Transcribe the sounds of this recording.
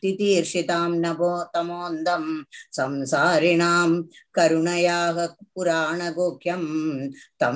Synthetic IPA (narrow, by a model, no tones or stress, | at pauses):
t̪it̪iːɾʂit̪aːmnɐboːt̪ɐmoːnd̪ɐmsɐmsaːɾiɳaːmkɐɾuɳɐjaːɦɐpuɾaːɳɐɡoːkʰjɐmt̪ɐm